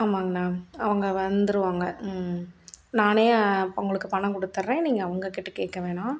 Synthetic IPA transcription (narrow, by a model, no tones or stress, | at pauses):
aːmaːŋɡɐnaːɐʋɐŋɡɐʋɐnd̪ɯɾɯʋaːŋɡɐ | naːneːʊ̰ŋɡɐɭɯkːɯpɐɳɐkɔɽɯt̪ːɯɾẽːniːŋɡɐːʋɐŋɡɐkɪʈːɯkeːkːɐʋeːnaː